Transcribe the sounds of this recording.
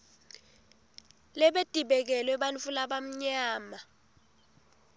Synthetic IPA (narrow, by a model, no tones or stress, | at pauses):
lɛɓed̥ʱʼiɓɛk̬ɛlwɛɓanfulaɓam̩ɲaːma